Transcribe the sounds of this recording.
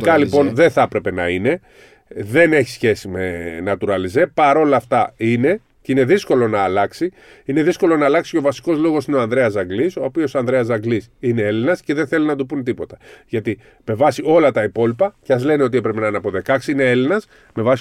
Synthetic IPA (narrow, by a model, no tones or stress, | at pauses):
kɐlipo̞nðe̞θɐpɾe̞pe̞nɐine̞ | ðe̞ne̞çi̥sçe̞sime̞̰nɐt̪uɾɐlizepɐɾo̞lɐːft̪ɐine̞ | ceine̞ðisko̞lo̞nɐːlɐksi | ine̞ðisko̞lo̞nɐːlɐksi̥co̞vɐsi̥ko̞zlo̞ɣo̞sineo̞ɐnðɾe̞ɐzɐɡliso̞ːpio̞soɐnðɾeɐzɐɡlisine̞elinɐsceðe̞nθe̞linɐd̪upunt̪ipo̞t̪ɐ̥ʝɐt̪i | me̞vɐsio̞lɐt̪ɐipo̞lipɐceɐzle̞nio̞t̪iepɾepenɐinɐpo̞ðe̞kɐksiine̞elinɐs | me̞vɐsi